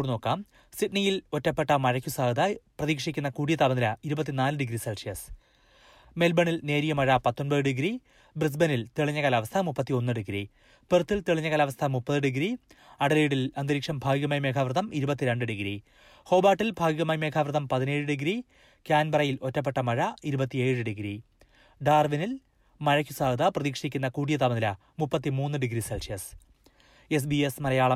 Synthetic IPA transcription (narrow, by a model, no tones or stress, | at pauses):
uɽino̞ːkːaːm | siʈnijilo̞tːɐpːe̞ʈːɐmɐɻɐkʲːusaːɡɐd̪ɐprɐðiːkʂikʲːunːɐkuːɽijɐt̪ɐbɐnd̪ɐlɐiɾubɐt̪ːinaːlɨɖiɡɾiselʂijɐs | melbɐɳilne̞ːɾijɐmɐɻɐpɐt̪ːo̞nbɐðɨɖiɡɾi | bris̬bɐnilt̪eɭiɲːɐɣɐlɐʋɐst̪ʰɐmupːɐt̪ːio̞nːɨɖiɡɾi | pert̪ːilt̪eɭiɲːɐɣɐːlɐʋɐst̪ʰɐmupːɐðɨɖiɡɾi | ɐɽɐleːɽilɐnd̪iɾikʂɐmbʱaːɡiɣɐmaːjme̞ːkʰaʋrɨðɐmiɾubɐt̪̬ːiɾe̞ɳɖɨɖiɡɾi | ho̞ːbaːʈːilbʱaːɡiɣɐmaːjme̞ːkʰaʋrðɐmpɐðine̞ːɻɨɖiɡɾi | kaːnbɐrɐjilo̞tːɐp̬ːe̞ʈːɐmɐɻɐiɾubɐt̪ːie̞ːɻɨɖiɡɾi | ɖaːrʋinil | mɐɻɐkʲːusaːɡɐðɐprɐðiːkʂikʲːunːɐkuːɽijɐt̪ɐmɐðilɐ | mupːɐt̪ːimuːnːɨɖiɡɾiselsijɐs | es̬biesmɐɾɐjaːɭɐ